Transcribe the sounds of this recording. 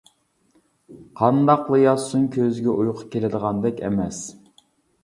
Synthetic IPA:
qʰɑnd̪ɑqlˠɨjɑsunkʲʰøzɡʲɛʔujqʰʊ̥kʲelɪd̪əʁɑnd̪ɛkʲɛ̰mɛs

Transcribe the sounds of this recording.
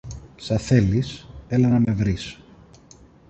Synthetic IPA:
sɐθe̞liselɐnɐme̞vɾis

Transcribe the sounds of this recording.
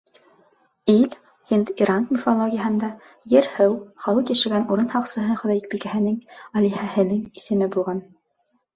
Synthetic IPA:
ilʲ | hint̪iɾaŋkmʲɪfolˠoɡʲɪjəɦɤ̆nd̪ɑ | jɘɾhɘwχɑlˠɤq̪jæʃɘ̆ɡænuɾɤnhɑqsɤ̆ɦɤχɵ̆ðɑik̚bikæhɘ̆nɘŋɑlʲihæhɘ̆nɘŋisɘ̆mɘbulˠʁɑn

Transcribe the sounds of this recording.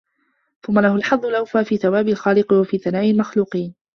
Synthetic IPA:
θʊmːalahʊlħɑðˤːʊlʔawfaːfiːθawaːbɪlxaːlɪqwafiːθanaːʔɪlmaxluːqiːn

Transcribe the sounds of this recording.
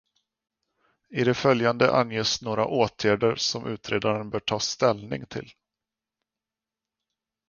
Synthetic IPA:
ɪd̪ɛfœljand̪əʔa̰njeːsnoːɾaʔoːt̪ʰjæːɖəɾsɔmʔʉ̟ːt̪ɾeːd̪aɾənbœːʈʰɑːst̪ɛlnɪ̰ŋt̪ʰɪ̰l

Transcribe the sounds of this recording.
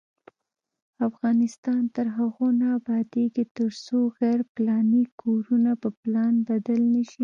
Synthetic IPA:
afɣɑnɪst̪ɑnt̪əɾɦaɣonaːbɑd̪eɡit̪əɾsoɣaɾplɑnikʰoɾunapəplɑnbad̪alnəʃi

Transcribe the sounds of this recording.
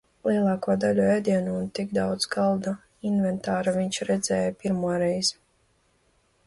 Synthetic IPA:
lˠiɛlˠɑːkuɔd̪alʲuɛːd̪ʲiɛnuːnt̪iɡd̪awd̪zɡalˠd̪a | invɛnt̪aːɾavʲiɲʲt͡ʃɾɛd̪zɛːjapʲiɾmuɔɾɛjz

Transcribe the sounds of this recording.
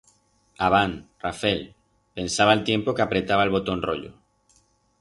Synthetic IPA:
aβ̞anrafɛl | pensaβalt̪jempokapɾet̪aβ̞alβ̞ot̪onroʎo̰

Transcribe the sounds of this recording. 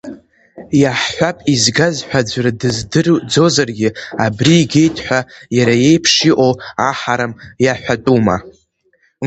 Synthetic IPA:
jaħħʷapʼizɡazħʷᶣad͡ʒʷradɨzdɨrd͡zo̞zarɡʲɪabriːɡʲe̞jtʼħʷᶣajaɾaje̞jpʰʂiʔo̞waħaɾamjaħʷᶣatʼuma̰

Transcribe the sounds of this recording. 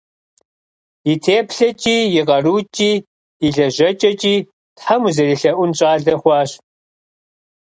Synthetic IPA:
jitʰeːpɬɐt͡ʃʼiːjɪqɐruːt͡ʃʼiː | iɮɐʑɐt͡ʃʼɐt͡ʃʼiː | tħamuzɐɾiɬɐʔʷʊnɕʼaːɮɐχʷɑːɕ

